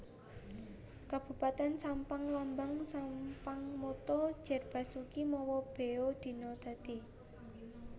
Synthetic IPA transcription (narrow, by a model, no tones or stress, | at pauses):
kab̥ṳpat̪ɛnsampaŋlambaŋsampaŋmot̪ɔ̥ʒ̥a̤rb̥a̤sukimɔwɔb̥e̤od̪̥i̤nɔd̪̥a̤t̪i